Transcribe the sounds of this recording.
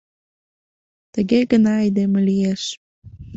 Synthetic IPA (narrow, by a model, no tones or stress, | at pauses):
t̪əɡeɡənɑːjd̪eməlijeʃ